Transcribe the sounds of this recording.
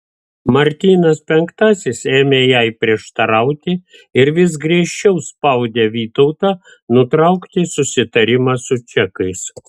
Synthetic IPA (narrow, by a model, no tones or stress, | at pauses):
mɐɾʲt̪ʲiːnɐspʲɛŋkt̪ɑsʲɪseːmʲeːjæɪpʲɾʲiɛʃt̪ɐɾɐʊt̪ʲɪ | ɪɾʋʲɪs̬ɡɾʲiɛʃʲt͡ʃʲɛʊspɐʊd̪ʲeʋʲiːt̪ɔʊt̪ɑː | nʊt̪ɾɐʊkt̪ʲɪsʊsʲɪt̪ɐɾʲɪmɑsʊt͡ʃʲɛkɐɪs